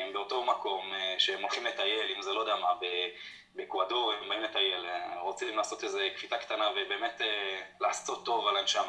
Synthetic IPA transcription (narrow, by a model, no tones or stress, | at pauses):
mbeoto̞mako̞mʃeemolχimlet̪aje̞limzelo̞d̪eamabe | bekwadoʁembaimletaje̞leʁot͡simlaːso̞t̪eze̞kfitakt̪anavebe̞ːme̞telaːso̞t̪ːo̞valanʃama